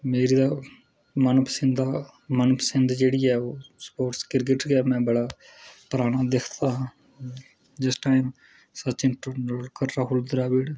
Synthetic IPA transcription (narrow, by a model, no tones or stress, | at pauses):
meːɾiːd̪aː | mənpəsɪ̃nd̪aː | mənpəsɪ̃nd̪d͡ʒeːɽijɛːoːspoːʈskɪɾk̬ɪʈɡɛːmɛ̃ːbəɽaː | pɾaːɽ̃aːd̪ekʰt̪aː | d͡ʒɪsʈaːɪm | sət͡ʃɪ̃nʈːɽkəɾɾaɦʊld̪ɾaːʋɪɽ